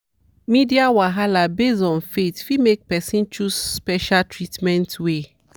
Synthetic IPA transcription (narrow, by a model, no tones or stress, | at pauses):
midiawaɦalabezɔ̃nfetfimek̚pɛsĩnt͡ʃusspɛʃaltʰɹitmɛ̃ntwe